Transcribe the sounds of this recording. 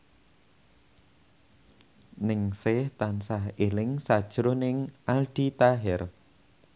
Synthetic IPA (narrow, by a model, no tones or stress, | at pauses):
nɪŋsɪht̪ansahelɪŋsad̥ʒ̥ɾonɪŋʔalɖ̪̥it̪aɦɛr